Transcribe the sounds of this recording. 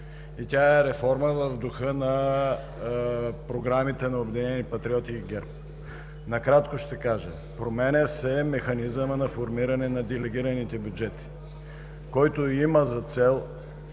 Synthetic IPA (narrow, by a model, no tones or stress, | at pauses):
it̪ʲaɛɾɛfɔɾməvəvd̪ʊxɤnɐ | pɾoɡɾamit̪ɛnɐobɛd̪inɛnipɐt̪ɾiɔt̪iːɡɛɾp | nɐkɾat̪koʃt̪ɛkaʒə̰ | pɾomɛnʲəsɛmɛxɐnizəmənɐfoɾmiɾɐnɛnɐd̪ɛlɛɡ̟iɾɐnit̪ɛbjud͡ʒɛt̪i̥ | kɔjt̪oiməzɐt̪sɛlˠ